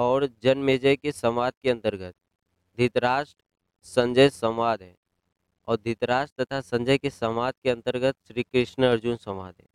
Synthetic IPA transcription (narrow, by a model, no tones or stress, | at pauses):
ɔːɾd͡ʒɐnmeːd͡ʒəjkesɐmaːd̪̚keɐ̃nt̪əɾɡət̪̚ | d̪ʱɪt̪ɾaːʃʈ | sɐ̃ɲd͡ʒəjsɐ̃mʋaːd̪ɦɛː | ɔːɾd̪ʱɪt̪ɾaːʃʈt̪ɐt̪ʰasɐ̃ɲd͡ʒəjkesɐmaːd̪̚keɐ̃nt̪əɾɡət̪ʃɾiːkɾɪʃnəɐɾd͡ʒʊnsɐ̃mʋa̰ːd̪ɦɛ̰ː